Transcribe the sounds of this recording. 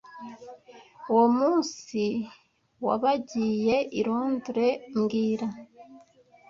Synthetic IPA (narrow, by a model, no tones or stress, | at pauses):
womuːnsi | wa̰βaɟiːje̞ʔiɾoːnduɾe̞mɡiːɾa